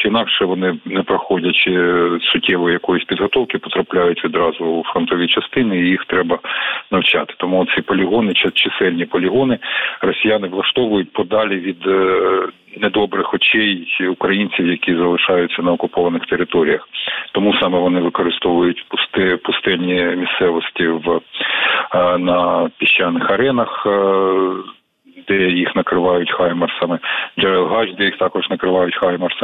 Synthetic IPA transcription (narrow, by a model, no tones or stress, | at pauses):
inɑkʃɛʋɔnɪnɛpɾɐxɔdʲɐt͡ʃt͡ʃɪsʊtʲːɛʋɔjijɐkɔjʊsʲpʲid̪ɦɔt̪ɔwkɪpɔ̥t̪ɾɐplʲajʊtʲʋʲid̪ɾɑzʊːfɾɔnt̪ɔʋʲit͡ʃɐst̪ɪnɪijixt̪ɾɛbɐnɐwt͡ʃɑ̰t̪ɪ̥t̪ɔmuɔt̪sʲipɔlʲɪɦɔnɪt͡ʃɪt͡ʃɪsɛlʲnʲipɔlʲɪɦɔnɪrɔsʲijanɪʋlˠɐʃt̪ɔʋʊjʊt̚ʲpɔd̪ɑlʲiʋʲid̪ | nɛd̪ɔbɾɪxɔt͡ʃɛjʊkɾɐjinʲt͡sʲiwjɐkʲizɐlˠɪʃɑjʊt͡sʲːɐnɐɔkʊpɔʋɐnɪxt̪eɾɪt̪ɔɾʲijɐxt̪ɔmusɑmɛʋɔnɪʋɪkɔɾɪst̪ɔʋʊjʊtʲpst̪ɛpʊst̪ɛlʲnʲimʲissɛʋɔsʲtʲiʋ | nɐpʲiʃt͡ʃːɑnːɪxɐɾɛnɐx | d̪ɛjixnɐkɾɪʋɑjʊtʲxɑjmɐrsɑmɛd͡ʒɑɾɛlˠɦɑʒd̪ɛjixt̪ɑkɔʒnɐkɾɪʋɑjʊtʲxɑjmɐrs